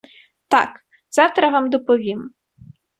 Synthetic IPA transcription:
t̪a̰k | z̥ɑwt̪ɾɐʋamd̪ɔpɔʋʲim

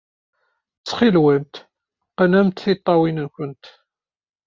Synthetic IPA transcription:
t͡sːχilwænt̪ | qənæmt̪θit̪ˤːɑwinənçʷənt̪

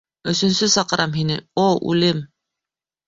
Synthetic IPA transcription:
ɵ̆sɵ̆nsɵsɑqɤ̆ɾʔɑmɦinɘoʉ̰lɘm

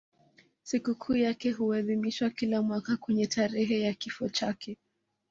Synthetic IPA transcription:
sikukʰuːjakɛɦuɛðimiʃwakilamwakakwɛɲɛtʰaɾɛɦɛjakifɔt͡ʃakʰɛ

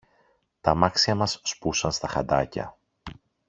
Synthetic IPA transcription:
t̪ɐmɐksiɐmɐsːpusɐnst̪ɐxɐd̪ɐcɐ̰

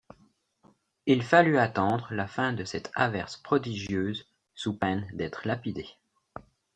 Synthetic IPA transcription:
ilfalyat̪ɑ̃d̪ʁlafɛ̃d̪əsɛt̪ʰa̰vɛʁspχɔd̪iʒjøːz | supɛnd̪ɛt̪χlapid̪e

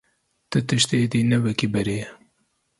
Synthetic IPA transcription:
t̪ɨt̪ɨʃt̪eːd̪iːnɛvɛkibɛɾeː

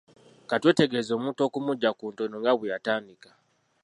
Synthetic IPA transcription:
katwe̞ːte̞ɡe̞zo̞ːmuːnto̞ːkumuɟːakuːntonoŋɡaβwejataːndikḁ

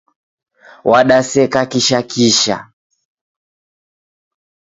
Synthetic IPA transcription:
wʔaɗasɛkakiʃakʰiʃa̰

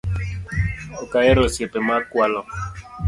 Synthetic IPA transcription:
okaeɾosjɛpemakwalɔ

